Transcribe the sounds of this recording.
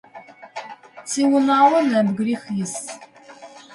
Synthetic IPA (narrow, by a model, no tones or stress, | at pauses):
t͡sːiwənawənbəɡʷɾixjəs